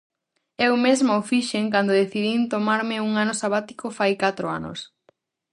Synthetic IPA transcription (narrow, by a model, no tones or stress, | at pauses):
ewmezmaofiʃeŋkand̪oðeθiðint̪omaɾmɪuŋanosaβat̪i̥kofajkat̪ɾʊa̰nʊ̰s